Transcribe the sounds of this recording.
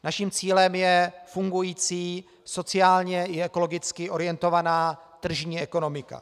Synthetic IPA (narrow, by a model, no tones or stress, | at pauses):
naʃimt͡siːlɛmjɛfuŋɡujiːt͡siː | so̞t͡sɪaːlɲɛɪɛko̞lo̞ɡɪt͡skɪʔo̞ɾɪjɛnt̪o̞vanaːt̪r̩ʒɲiːɛko̞no̞mɪka̰